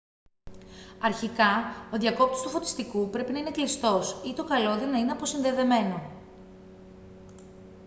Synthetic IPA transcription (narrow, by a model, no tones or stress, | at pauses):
ɐɾçikɐo̞ðjʝɐko̞p̚t̪ost̪ufo̞t̪i̥st̪ikupɾe̞pinɐine̞klist̪o̞sit̪o̞kɐlo̞ðenɐine̞ɐpo̞sinðe̞ðe̞me̞no̞